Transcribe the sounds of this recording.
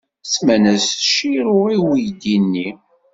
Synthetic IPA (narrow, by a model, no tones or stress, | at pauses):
smænæsθʃiɾʊɾiwijd̪inːi